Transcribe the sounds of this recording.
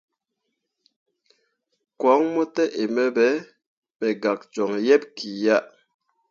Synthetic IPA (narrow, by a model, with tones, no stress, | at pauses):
kwɔ˨˦ŋmɔ˦tɛ˦ʔe˨mɛ˦bɛ˦ | mɛ˨ɡa˨k̚t͡ʃɔ˨ŋjɛ˦˨p̚ki˨ja˦ʔ